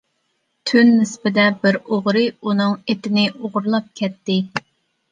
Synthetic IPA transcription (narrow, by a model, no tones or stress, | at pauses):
t̪ʰynːɪspɪd̪ɛbɪɾoʁɾɨunɨŋet̪ɪnɪʔoʁɾlˠɑp̚kʲʰɛt̪ːɪ